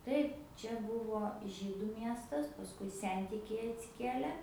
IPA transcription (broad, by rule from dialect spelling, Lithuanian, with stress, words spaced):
ˈtɐɪp ˈt͡ʃʲɛ ˈbʊʋoː ˈʒʲiːdʊ ˈmʲiɛstɐs pɐsˈkʊɪ ˈsʲɛnʲtʲɪkʲɛɪ ɐtʲsʲɪˈkʲiɛlʲɛ